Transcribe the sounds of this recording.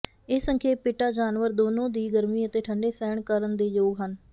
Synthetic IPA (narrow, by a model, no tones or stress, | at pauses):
ɪːsəŋkʰeːpɪʈaːd͡ʒaːnʋəɾd̪oːnõːd̪iːɡəɾmiːət̪eːʈʰəɳɖeːsɛːɳkəɾənd̪eːd͡ʒoːɡɦən